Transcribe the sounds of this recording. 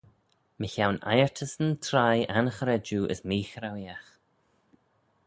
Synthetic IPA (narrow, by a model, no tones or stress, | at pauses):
məçawna̰jəɹtʰəsənt̪ʰɾajanəxəɾɛd͡ʒuːʔə̰smiːxɾawjax